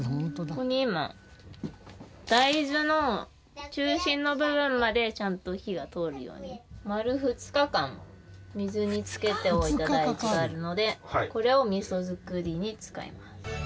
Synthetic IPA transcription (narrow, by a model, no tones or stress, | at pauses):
koɲ̟imã̰ | d̪̥aizɨno̞ | t͡ɕɨːɕĩnːo̞bɯ̟bɯ̟̃mːad̪e̞t͡ɕãnt̪o̞çiɡat̪o̞ɾɯ̟jo̰ːɲ̟imaɾɯ̟ɸɯ̟t͡sɨ̥kakãmo | mʲizɨɲ̟it͡sɨ̥ke̞t̪e̞oit̪adait͡ɕiɡaːɾɯ̟no̞d̪e̞ko̞ɾe̞o̞mʲiso̞zɨkɯ̟ɾʲiɲ̟it͡sɨ̥ka̰ḭmasɨ̥